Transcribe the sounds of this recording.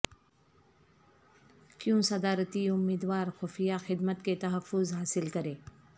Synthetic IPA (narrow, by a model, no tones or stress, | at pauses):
kjũsɐd̪aːɾət̪iʊmːiːd̪waːɾxoːfijaxɪd̪mət̪ket̪ɐɦɐfːʊzɦaːsɪlkɐɾeː